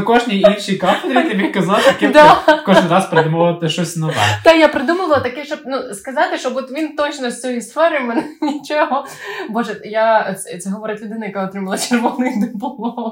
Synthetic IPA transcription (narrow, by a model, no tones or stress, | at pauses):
kɔʒnʲiinʃijkɑfed̪ɾʲit̪ɪbʲikɐzɑlˠɐkɛd̪akɔʒnɪɾɑspɾed̪umoʋt̪ɪʃɔsʲnɐd̪ɑ̰d̪ajapɾɪd̪umoʋɐlˠɐt̪ɐkɛʃt͡ʃɔb̚nuskɐzɑt̪ɪʃt͡ʃɔbɔt̪ʋʲint̪ɔt͡ʃnɔsʲt͡sʲɔjist̪fɔɾʲɪmenɛnʲit͡ʃɛɦɔbɔʒɛjat̪sɛɦɔʋɔɾɪt̪ʲʋʲid̪ɪnɪjɐkaɔt̪ɾɪmɐlˠɐt͡ʃerʋɔnɪjd̪ɪplˠɔ